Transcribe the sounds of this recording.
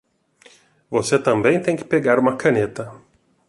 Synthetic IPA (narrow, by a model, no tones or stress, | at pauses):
voset̪ɐ̃mbɛ̃j̃t̪ẽj̃kʲɪ̥peɡaɾumɐkʰɐnet̪ɐ